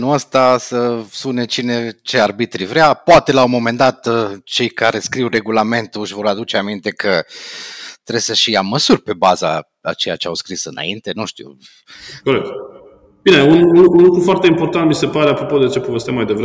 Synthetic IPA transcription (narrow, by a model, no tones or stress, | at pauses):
nuəst̪asəspune̞t͡ʃine̞t͡ʃe̞arbit̪ɾivɾʲeapoat̪e̞laumo̞me̞nd̪at̪t͡ʃe̞jkaɾe̞skɾiwre̞ɡulame̞nt̪uʃvo̞ɾad̪ut͡ʃeamint̪e̞kʰə | t̪ɾesəʃijaməsurʲpe̞baza̰ | a̰t͡ʃe̞jat͡ʃeawskɾisɨna̰int̪e̞nuʃt̪ḭw | koɾek̚t̪ | b̥ineununlunlukɾufoart̪e̞impo̞rt̪ant̪̚mise̞paɾe̞apɾopo̞d̪e̞t͡ʃe̞povest̪amajd̪evɾe